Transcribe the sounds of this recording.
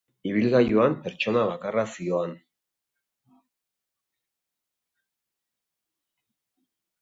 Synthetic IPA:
iβilɣajuampe̞ɾt͡ʃo̞naβakarasioan

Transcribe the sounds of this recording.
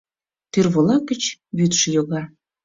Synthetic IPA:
t̪yrβolɑkə̆t͡ɕβyt̪ʃəjoɣɑ

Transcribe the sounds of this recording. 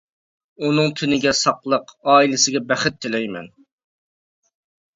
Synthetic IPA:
unɨŋt̪ʲʰynɪɡʲɛsɑqlˠəqɑːilɪsɪɡʲɛbɛχɪt̪ʰːɪlɛjmɛ̰n

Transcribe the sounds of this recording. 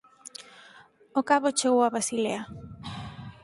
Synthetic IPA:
okaβot͡ʃeɣowaβɾasilea

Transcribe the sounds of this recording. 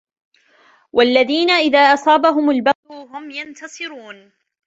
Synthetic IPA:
wʔalːaðiːnaʔɪðaːʔɑsˤɑːbaɦʊmalbɑʊɦʊmjant̪ɑsˤɨɾuːn

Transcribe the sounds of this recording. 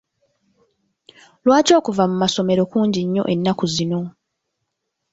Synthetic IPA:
lwaːco̞ːkuvamumaso̞me̞ɾo̞kuːɲɟiɲːo̞̰ʔe̞nːakuzino̞

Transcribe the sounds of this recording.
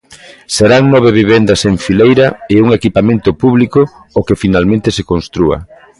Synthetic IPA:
seɾaŋnɔβ̞eβiβ̞end̪ɐseɱfilejɾaeuŋekipamẽnt̪ʊpuβlikʊː | kefinalmẽnt̪esekõnst̪ɾuɐ̰

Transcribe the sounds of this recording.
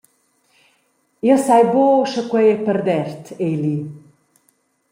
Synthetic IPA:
iəsajboːʃəkwɛjɛpəɾd̪ɛɾt̪ʰejli

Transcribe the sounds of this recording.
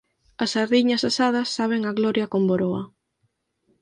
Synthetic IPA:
ɐsaɾðiɲɐsasaðɐsːaβ̞eŋaɣlɔɾjɐkomboɾoa

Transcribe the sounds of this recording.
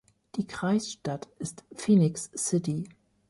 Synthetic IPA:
d̥iːkʁ̥aɪsʃtatɪstfiːnɪksːɪti

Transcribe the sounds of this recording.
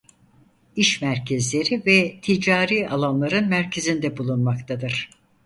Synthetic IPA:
iʃmæɾcʰɛzlʲe̞ɾivɛt̪ʰid͡ʒaːɾiːalˠanlˠaɾɯnmæɾcʰezind̪ɛbulˠunmakt̪ʰad̪ɯɾ̥

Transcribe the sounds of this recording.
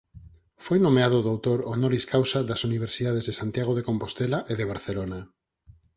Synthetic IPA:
fojnomeaðoðawt̪oɾonoɾiskawsaðasuniβ̞eɾsiðað̞ezðesant̪jaɣ̞oð̞ekompost̪elaʔeðeβ̞aɾθelona

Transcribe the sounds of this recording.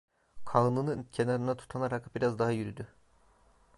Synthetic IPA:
kʰanɯnɯcʰe̞naɾɯnat̪ʰu̥t̪ʰanaɾakbiɾazd̪aɦajyɾyd̪y

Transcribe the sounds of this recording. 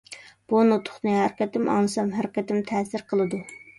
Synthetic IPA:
b̥unot̪ʰʊ̥χnɨɦæɾɪkʲɛt̪ɪmɑ̰ŋɨsɑmɦæɾɪkʲɛt̪ɪmt̪ʰɛːsɪɾqʰəlˠɨd̪u

